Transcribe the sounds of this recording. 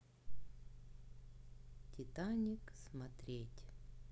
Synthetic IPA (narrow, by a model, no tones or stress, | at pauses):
tʲɪt̪anʲɪksmɐt̪ɾʲetʲ